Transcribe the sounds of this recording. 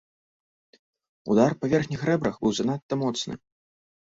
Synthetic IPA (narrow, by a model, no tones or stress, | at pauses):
ṵd̪arpavʲɛrxnʲixrɛbɾɐxbɨwzanat̪ːɐmɔt̪snɨ̰